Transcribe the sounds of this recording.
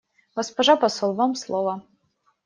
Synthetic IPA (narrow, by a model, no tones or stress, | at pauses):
ɡ̥ospɐʐapɐsolˠvamslˠovɐ